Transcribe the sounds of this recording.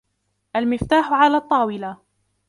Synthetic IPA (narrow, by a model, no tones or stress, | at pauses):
ʔalmɪft̪aːħʕalaːt̪ˤːɑːwɪla